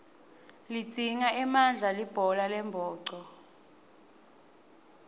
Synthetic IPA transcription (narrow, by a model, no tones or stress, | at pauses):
lid͡z̥ʱiŋaɛmand͡ɮʱalib̥ʱɔlalɛmbʱɔːǀɔ